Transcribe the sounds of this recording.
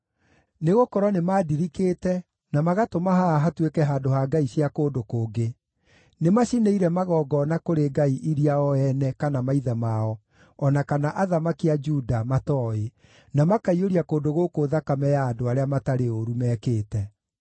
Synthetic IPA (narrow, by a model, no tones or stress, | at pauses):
neɣokɔɾɔnemaːdiɾikeːtɛ | namaɣatomaɦaɦatwekɛɦaːdoɦaːɡaiɕiakoːdokoːɡe | nemaʃineiɾɛmaɣɔːɡɔnakoɾeɡaiʔiɾiaɔɛnɛkanamaiðamaɔ | ɔnakanaʔaðamakiad͡ʒudamatɔːe | namakaioɾiakoːndoɣokoːðakamɛjaːdoaɾeamataɾeoɾumɛːkeːtɛ